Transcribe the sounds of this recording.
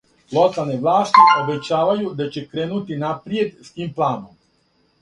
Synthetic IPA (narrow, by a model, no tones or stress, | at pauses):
lot̪alneʋlaːst̪iobe̞t͡ɕaːʋajud̪at͡ɕe̞kɾeːnut̪inapɾije̞d̪st̪iːmplˠaːnom